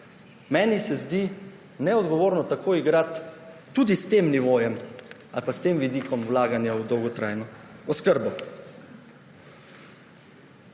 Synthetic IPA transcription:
mɛːnisɛzd̪i | nɛɔd̪ɡɔʋoːɾnɔt̪akʰoːiɡɾat̪ː | uːd̪ist̪emniʋoːjɛm | a̰lpast̪eːmʋid̪ikɔmwlaːɡanjawd̪ɔwɡɔt̪ɾʔa̰ːjnɔɔskəɾbɔ

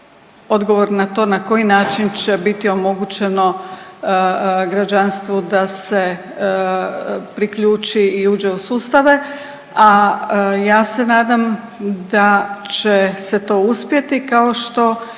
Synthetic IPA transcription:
o̞d̪ɡo̞ʋo̞ɾnat̪o̞ːnako̞jinaːt͡ʃint͡ʃebit̪io̞mo̞ɡut͡ɕe̞no̞ | ɡɾad͡ʒanst̪ʋod̪ase̞ | pɾikʎuːt͡ʃiːuːd͡ʒe̞usuːst̪aʋe | a | jaːse̞naːd̪am | d̪at͡ʃese̞t̪o̞ːuspje̞t̪ikaoʃt̪o̞

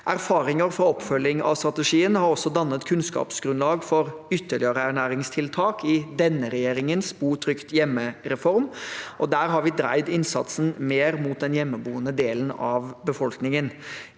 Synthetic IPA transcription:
ʔæɾfɑːɾɪŋəɾfɾɑɔpfœlːɪŋɑ̰ʋst̪ɾɑt̪əʂiːənhɑɾɔsːɔd̪ɑnːət̪kʰʉnskɑ̰ːpsɡɾʉnlɑːɡfɔɾʏt̪ːəɭɪəɾəæɾɳæːɾɪŋst̪ʰɪlt̪ʰɑːkʰɪd̪ɛnːəɾɛjeːɾɪŋənsbuːt̪ʰɾʏkt̪jɛmːəɾɛfɔɾmʔɔd̪æːɾɦɑɾʋɪːd̪ɾæ̰ɪd̪ɪnsɑ̰t̪sən̩meːɾmuːt̪̚d̪ɛnjɛmːəbuːənəd̪eːlənɑ̰ʋbəfɔlknɪŋən

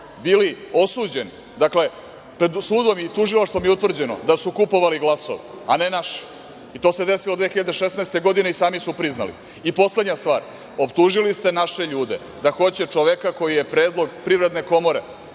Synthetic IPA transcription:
biːlio̞suːd͡ʑe̞n | d̪akle̞ | pɾe̞d̪suːd̪o̞mit̪uʒilˠaʃt̪ʋomjeut̪vr̩d͡ʑe̞no̰d̪asukupo̞ʋaliɡlˠaso̰ʋeane̞naʃi̥ | it̪o̞ːse̞d̪e̞silod̪ʋeːxiʎad̪eʃesnaest̪e̞ɡo̞d̪ine̞isaːmisupɾizna̰lḭ | ipo̞sle̞d̪ɲast̪ʋaːɾ | o̞pt̪uʒilist̪e̞naʃe̞ʎuːd̪e̞̰ | d̪axo̞t͡ɕet͡ʂoʋekako̞jijepɾeːd̪lˠo̞ɡpɾiʋɾe̞d̪ne̞ko̞mo̞ɾe

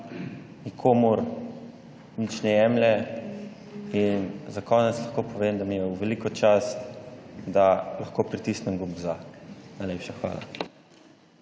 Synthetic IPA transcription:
nikʰoːmuɾ | nit͡ʃnɛjɛmlɛ | inzakɔnɛt̪slɐxkoːpɔʋemd̪amijɛwʋɛlikɔt͡ʃast̪d̪alaxkoːpɾit̪isnɛmɡumzanajlʲepʃaxʋa̰ːla̰

